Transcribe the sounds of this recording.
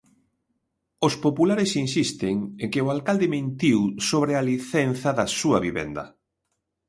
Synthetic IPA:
ʊspopulaɾɪsinsist̪ɪŋeŋkɪʊalkald̪ɪmẽnt̪iwsoβ̞ɾɪaliθɛn̟θɐðɐsuɐβiβɛ̰nd̪ɐ̰

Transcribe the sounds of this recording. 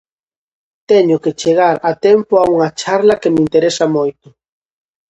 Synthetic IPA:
t̪ɛɲʊket͡ʃeɣ̞aɾɐt̪ɛmpʊauŋɐt͡ʃaɾlɐkemint̪eɾɛsɐmojt̪ʊ

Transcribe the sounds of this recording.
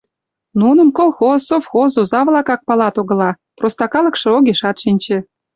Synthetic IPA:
nunə̆mkolˠxozofxozuzɑβlɑkɑk̚pɑlɑt̪oɣɤ̆lɑ | prost̪ɑkɑlə̆kʃĕoɣeʃɑt̪ʃinʲt͡ɕĕ

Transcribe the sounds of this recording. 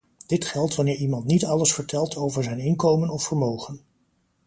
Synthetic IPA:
d̥ɪtχɛlˠtʋɑnɪːɹimɑntnitɑləsfəɹtʰɛlˠtʰowvəɹzɛjnɪnkowmənɔfəɹmowχən

